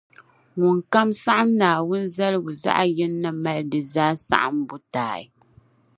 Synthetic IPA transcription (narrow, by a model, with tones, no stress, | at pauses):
ŋʊ˨ŋka˦msa˦ʔa˦mnaː˨wʊ˦n̩˦za˦lɨ˦ɡu˨za̰˦ʔa˦jɛ˦nː˦a˦ma˦lɨ˦dɨ˨zaː˦sa̰˦ʔa̰˦˨mbʊ˦taː˨ḭ˨